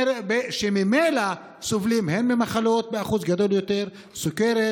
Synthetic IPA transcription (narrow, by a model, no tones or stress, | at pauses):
beʃemimejla | sovlimhenbemaχalo̞t̪̚beaχuzɡad̪o̞ljo̞t̪eʁ | sukeɾe